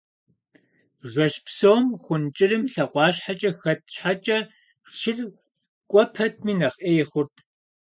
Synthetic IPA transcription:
ʒʷɐɕpsoːmχʷʊnt͡ʃʼɪrɨmɬɐqʷɑːɕħat͡ʃʼɐxɐt̚ʰɕħat͡ʃʼɐ | ʃɪr | kʷʼɔpʰɐt̚ʰmiːnɐχʔeːχʷʊrtʰ

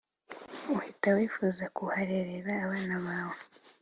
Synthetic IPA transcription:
uhitawifuːzakuhaɾeɾeɾaːβaːnaβaːβo

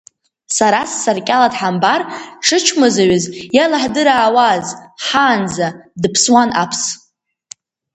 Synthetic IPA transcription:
saɾasːarkʲʼaladħambarʈ͡ʂʰɨt͡ʃʰmazaɥɪzjalaħdɨɾaːwazħaːnd͡zadɨpʰswanʔapʰs

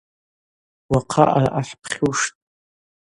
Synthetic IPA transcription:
waqʰa̰ʔaaħpʰχʲuʂtʼ

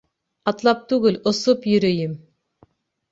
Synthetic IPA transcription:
ɑt̪lˠɑp̚t̪ʉɡɘlosopjɵ̆ɾɵjɘm

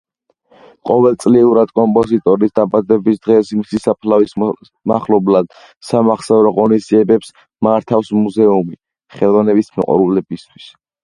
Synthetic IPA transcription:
qʼɔvɛlˠt̪sʼliuɾad̪̥kʼɔmpʼɔzit̪ʼɔɾisd̪abad̪ɛbisd̪ʁɛsimisisapʰlais | maχlɔblad̪̥ | samaχsɛɾɔʁɔnisd̪ziɛbɛps | maɾt̪ʰafsmuzɛumi | χɛlˠvanɛbismɔ̰qʼɔ̰ɾulɛbist̪ʰwi̥s

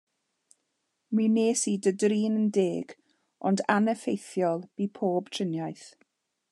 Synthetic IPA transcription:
mineːsidədriːnəndeːɡ̥ | ɔndanəfejθjɔlˠb̥iːpʰoːbtʰrɪnjajθ

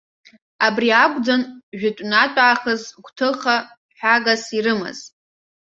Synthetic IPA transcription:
abriakʷʼd͡zanʒᶣɪtʷʼnatʷʼaːχəzɡʷtʰɨχa | ħʷᶣaɡasirɨma̰z̥

